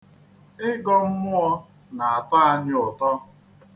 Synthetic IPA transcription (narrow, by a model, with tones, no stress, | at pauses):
ɪ˦ɡɔ˦m̩˦mʊ˦ɔ˧ | na˨a˨ta˦a˨ɲɪ˦ʊ˨tɔ˦